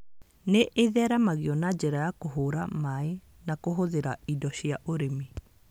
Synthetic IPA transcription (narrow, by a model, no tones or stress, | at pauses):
neʔeðɛɾamaɣiɔnad͡ʑɛɾajakoɦoɾamae | nakoɦoðeɾaidɔɕjaʔoɾeme